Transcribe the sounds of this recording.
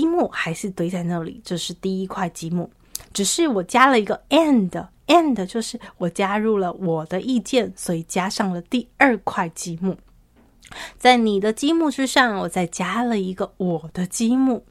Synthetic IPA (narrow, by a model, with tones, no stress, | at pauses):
i˥mu˥˩xa˧˥ɪʂɻ̩˥˩t̪we˥ɪt͡sa˥˧ɪna˥˩lḭ˨˩˦t͡ɕjo˥˧ʊʂɻ̩˥˧t̪i˥˩i˥kʰwa˥˩ɪt͡ɕi˥mu˥˩ | ʈ͡ʂɻ̩˨˩ʂɻ̩˥˩wɔ˨˩t͡ɕja˥lə˨i˧˥ɡə˧ɛ˥˩nd̪ə˩ | ɛ˥˩nd̪ə˩t͡ɕjo˥˧ʊʂɻ̩˥˩wɔ˨˩t͡ɕja˥ɻu˥˩lə˩wɔ˨˩d̪ə˦ʔi˥˧t͡ɕjɛ˥˩nswɔ˧˥i˨˩t͡ɕja˥ʂɑ˥˩ŋlə˩t̪i˥˧ə˞˥˩˧kʰwa˥˩ɪt͡ɕi˥mu˥˩ | t͡sa˥˩ɪni˨˩d̪ə˦t͡ɕi˥mu˥˧ʈ͡ʂɻ̩˥ʂɑ˥˩ŋwɔ˨˩t͡sa˥˩ɪt͡ɕja˥lə˨i˧˥ɡə˧wɔ˨˩d̪̥ə˦t͡ɕi˥mu˥˩